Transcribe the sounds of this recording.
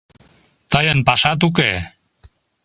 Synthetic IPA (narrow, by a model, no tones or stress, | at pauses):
t̪əjənpɑʃɑt̪̬uk̬ḛ